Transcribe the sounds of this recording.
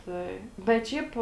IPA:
ˈtɐɪ bʲɛt ˈʃʲɛɪp

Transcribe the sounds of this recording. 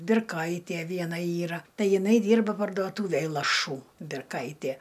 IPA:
bʲɪrˈkɐɪtʲiɛ ˈʋʲiɛnɐ ˈiːrɐ ˈtɐɪ jɪˈnɐɪ ˈdʲiːrbɐ pɐrduɔˈtuːʋʲeːj lˠɐˈʃuː bʲɪrˈkɐɪtʲiɛ

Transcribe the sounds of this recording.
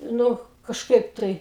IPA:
ˈnʊ kɐʃˈkɐɪp tɐɪ

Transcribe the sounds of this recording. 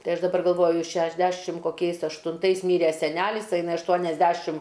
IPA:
ˈtɐɪ ˈɐʃ dɐˈbɐr ɡɐlˠˈʋoːjʊ ʃʲɛʒʲˈdʲæːʃʲɪm koːˈkʲɛɪs ɐʃtʊnˈtɐɪs ˈmʲiːrʲɛ sʲɛˈnʲælʲɪs ɐ ɪˈnɐɪ ɐʃˈtuɔnʲɛzʲˌdʲæʃʲɪm

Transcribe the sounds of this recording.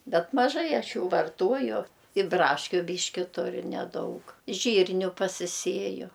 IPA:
ˈbʲɛt mɐˈʒɐɪ ˈɐʃ ˈjuː ʋɐrˈtuɔjʊ ɪ ˈbrɑːʃʲkʲʊ ˈbʲiːʃʲkʲɪ ˈtʊrʲʊ nʲɛˈdɐʊk ˈʒʲiːrʲnʲʊ pɐsʲɪˈsʲiɛjʊ

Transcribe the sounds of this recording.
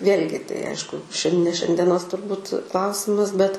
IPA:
ˈʋʲeːlʲɡʲɪ tɐɪ ˈɐɪʃkʊ ʃʲɛn nʲɛ ʃʲɛnʲdʲiɛˈnoːs ʃʲɛnʲdʲiɛˈnoːs tʊrˈbuːt ˈklˠɐʊsʲɪmɐs bʲɛt

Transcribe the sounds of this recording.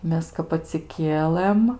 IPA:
ˈmʲɛs kɐp ɐtʲsʲɪˈkʲiɛlˠɘm

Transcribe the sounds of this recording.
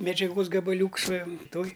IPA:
mʲɛd͡ʒʲɛˈɡoːs ɡɐbɐˈlʲuːks ʋɐ ˈtoːj

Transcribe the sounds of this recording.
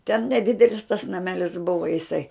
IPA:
tʲɛn nʲɛˈdʲɪdʲɛlʲɪs tɐs nɐˈmʲæːlʲɪs ˈbʊʋɐ jɪˈsɐɪ

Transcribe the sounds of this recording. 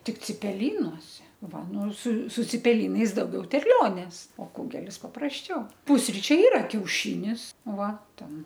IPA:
tʲɪk t͡sʲɪpʲɛˈlʲiːnoːsʲɛ ˈʋɐ ˈnʊ sʊ sʊ t͡sʲɪpʲɛˈlʲiːnɐɪs dɐʊˈɡʲɛʊ tʲɛrʲˈlʲoːnʲeːs oː ˈkʊɡʲɛlʲɪs pɐprɐsʲˈt͡ʃʲɛʊ ˈpʊsʲrʲɪt͡ʃʲɛɪ ˈiːrɐ kʲɛʊˈʃʲɪnʲɪs ˈʋɐ ˈtʲɛn

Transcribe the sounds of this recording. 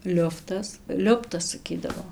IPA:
ˈlʲʊftɐs ˈlʲʊptɐs sɐˈkʲiːdɐʋoː

